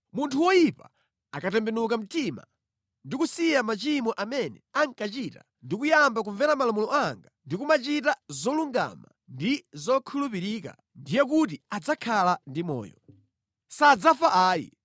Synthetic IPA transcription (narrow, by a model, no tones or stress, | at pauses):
muntʰuwɔjipa | akatɛmbɛnukam̩tima̰ | ndikusijamat͡ʃimɔʔamɛnɛ̰aŋkat͡ʃiːta̰ | ndikujambak̬uɱvɛɾamalamulɔaŋɡandikumat͡ʃitazɔluŋɡa̰ma̰ | ndizɔkʰulupiɾiːka̰ | ndijɛk̬ut̬iad͡zakʰalandimɔ̰ːjɔ̰ | sad͡zafaʔaːjḭ